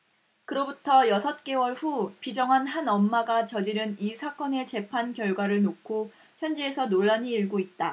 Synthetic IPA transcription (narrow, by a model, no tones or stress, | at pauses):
kɯɾʌbutʰʌjʌsʰʌt̚k͈e̞wʌɭɸupid͡ʑʌŋɦanɦanʌmːaɡat͡ɕʌd͡ʑiɾɯnisʰak͈ʌne̞t͡ɕe̞pʰankjʌɭɡwaɾɯɭnokʰo | çjʌnd͡ʑiesʰʌnoɭːaɲiːɭɡoit̚t͈a